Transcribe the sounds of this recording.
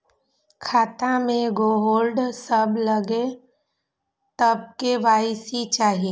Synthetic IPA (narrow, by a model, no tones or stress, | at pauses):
kʰaːt̪amẽɡoːɦoːlɖsɐblɐɡe | t̪ɐb̚keʋaːɪsit͡ʃaːɦieː